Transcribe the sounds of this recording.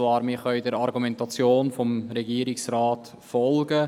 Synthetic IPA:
ʋɑːɾmɪχœʏdəɾɑɾɡumɛntɑt͡sjoːnfɔmɾɛɡiːɾɪksɾaːt | fɔlɡə

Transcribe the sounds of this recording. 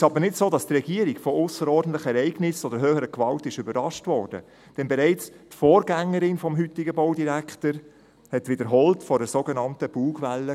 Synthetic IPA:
ɪʃɑbənɪtsoːdɑstrɛɡiəɾiɡfɔʊsəɾɔɾdn̩tlɪχəɛɾɛɪɡnɪsɔd̥əɾɦøːhəɾəkʋɑltɪʃʏbəɾɑʃtvɔːɾd̥ə̰ | d̥ɛnbɛɾɛɪt͡s | tfoːɾɡæŋːəɾɪnfɔmɦʏtɪɡəboʊdiɾækʰtəɾ | hɛtʋɪdəɾɦɔltfɔdəsoɡɛnɑntəb̥uːɡʋɛlːə

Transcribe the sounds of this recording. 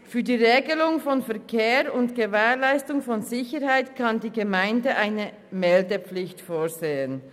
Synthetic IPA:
fyːɐdiːʁeːɡəlʊŋfɔnfɛɐkʰeːʁʊntɡ̥əvɛːʁlaɪstʊŋfɔnzɪçəʁhaɪtkʰandiːɡəmaɪndəʔaɪnə | mɛldəplɪçtfoːzeːən

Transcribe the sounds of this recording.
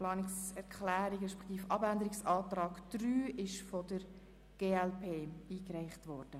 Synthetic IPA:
lɑːnɪksɛɾkχlæːɾiɡɾɛʃpɛ̥χt̪iːfʔɑbændəɾɪksɑːtrɑːɡ̥d̥ryːʔɪʃfɔd̥əɾ | ɡ̥eːɛlpʰeːiːkræɪχtʋɔːɾd̥ə

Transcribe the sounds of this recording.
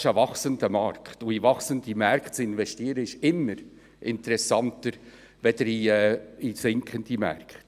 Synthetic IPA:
ʃəvɑχsəndəmɑɾkχtuivɑχsəndimæɾkχtt͡sɪnvɛʃtiəɾəɪʃɪmːəɾ | ʔɪntəɾɛsɑntəɾ | ʋɛd̪əɾiɛisɪŋkʰəndimɛ̰rkχt

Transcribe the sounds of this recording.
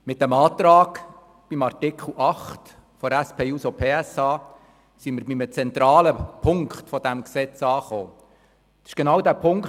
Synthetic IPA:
mɪt̚dɛmɑːt̪ɾɑːɡ | b̥imɑrt̪ɪkχl̩ʔɑχt | fɔɾæspʰeːuːsopʰeːɛsɑː | siməɾbɪmət͡sɛnt̪ɾɑːləpʰʊŋkχt̪fɔd̥æmksɛt͡sɑːχo̰ː | ɪ̥ʃɡ̥enɑwdæːpʰʊŋk

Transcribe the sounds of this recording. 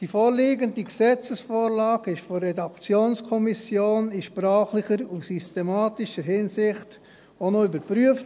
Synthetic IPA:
d̥ifoːɾliːɡəndiɡsɛt͡səsfoːɾlɑːɡɪʃfɔːɛdɑkt͡sjoːnskʰɔmisjoːnɪʃpɾɑːχlɪχəɾusystɛmɑːtɪʃəɾɦɪnsɪχt | onoybəɾpɾyəft

